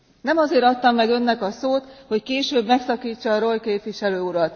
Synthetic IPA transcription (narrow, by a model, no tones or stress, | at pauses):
nɛmɒzeːɾɒt̪ːɒmːɛɡø̞nːɛkɒsoːt̪ho̞ckeːʃøːbmɛksɒkiːt͡ʃːɒːɾo̞jkeːpʋiʃɛløːuɾɒt̪